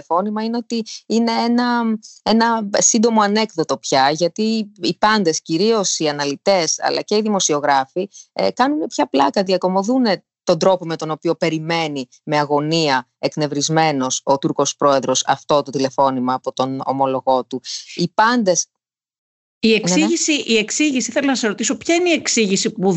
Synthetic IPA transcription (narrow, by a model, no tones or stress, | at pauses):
fo̞nimɐineo̞t̪iine̞enɐenɐsind̪o̞mo̞ɐne̞kðo̞t̪o̞pçɐʝɐt̪iːpɐnd̪e̞sciɾio̞siɐnɐlit̪e̞sɐ̰lɐ̰ce̞iðimo̞sio̞ɣɾɐfiekɐnune̞pçɐplɐkɐðiɐko̞mo̞ðune̞ | t̪o̞nd̪ɾo̞po̞me̞t̪ono̞piope̞ɾime̞ni | me̞ɐɣo̞niɐ | ekne̞vɾizme̞no̞so̞t̪uɾko̞spɾo̞e̞ðɾo̞sɐ̰ft̪o̞t̪ot̪ile̞fo̞nimɐːpo̞t̪o̞no̰mo̞lo̞ɣo̞t̪uipɐnd̪e̞s | ieksiʝisiʔie̞ksiʝisiθelɐnɐsɐzɾot̪iso̞pçɐineie̞ksiʝisipu